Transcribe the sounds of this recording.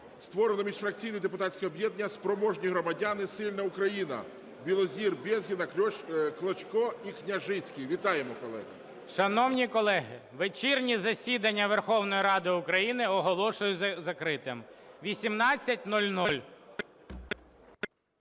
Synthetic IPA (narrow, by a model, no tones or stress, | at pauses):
st̪ʋɔɾenɔmʲiʃfɾɐk̚t͡sʲijnɛd̪epʊt̪ɑtʲt͡sʲsʲkʲɔbjɛd̪nʲːɐspɾɔmɔʒnʲiɦɾɔmɐdʲanɪsɪlʲnɐʊkɾɐjinɐ̰ | bʲilˠɔzʲirbʲɛzʲɦʲinɐklˠɔt͡ʃkɔiknʲɐʒɪt͡sʲkʲijʋʲit̪ɑjemɔkɔlˠɛ̰ɦɐ̰ | ʃɐnɔwnʲikɔlˠɛɦɪʋet͡ʃirnʲizɐsʲid̪ɐnʲːɐʋerxɔwnɔjiɾɑd̪ɪʊkɾɐjinɪɔɦɔlˠɔʃʊjʊzɐkɾɪt̪ɪmʋʲisʲimnɑt͡sʲːɐtʲnɔlʲnɔlʲ